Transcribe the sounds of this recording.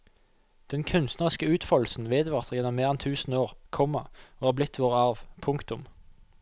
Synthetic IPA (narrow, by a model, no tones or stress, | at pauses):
d̪̥ɛnkʰʉnst̪nəʁɪskəʉːt̪fɔll̩sn̩ʋeːd̪əʋɑʁt̪əʁjɛnːɔmːeːʁɛnt̪ʰʉːsn̩oːʁkʰɔmːəʁoːhɑːblɪt̪ʰʋoːʁəɑʁʋpʰʊŋkt̪ʊm